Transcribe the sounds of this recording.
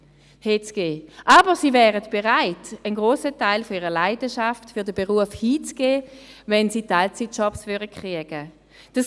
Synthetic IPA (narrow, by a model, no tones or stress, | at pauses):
heːt͡sɡ̥eːʔaːbəʁsiːvɛːʁətb̥eʁaɪtənɡʁoːsətaɪlfɔiːʁəlaɪdəʃaftfʏɐdəbeʁuəfhiːt͡sɡ̥eːvɛnsiːtalt͡sit̚t͡ʃɔpsvʏdəkʁ̥iəɡ̥ə | d̥as